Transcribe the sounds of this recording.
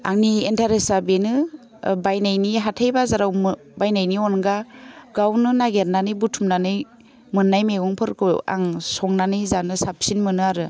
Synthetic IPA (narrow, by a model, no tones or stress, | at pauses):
aŋnientʰaɾesabenɯ | bajnajniɦatʰajbazaɾawm | bajnajniɔnɡaɡawnɯnaɡeɾnanɯjbutʰumnanɯj | mɯnːajmeɡɔŋpʰɯɾkʰɯa̰ŋsɔŋnanɯjzanɯsap̚sinmɯnɯaɾɯ